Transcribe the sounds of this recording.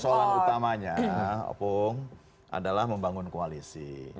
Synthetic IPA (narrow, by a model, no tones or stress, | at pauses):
solaut̪amaɲa̰pʊŋ | ʔa̰dalahməmbaŋʊnkoalisi